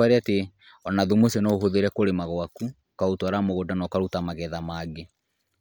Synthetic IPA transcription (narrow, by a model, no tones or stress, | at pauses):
aɾeate | ɔnaðumosɛnɔoɦoðeɾɛkoɾemaɣwaku | kaotwaɾamoɣodanɔkaɾutamaɣɛðamaːɡe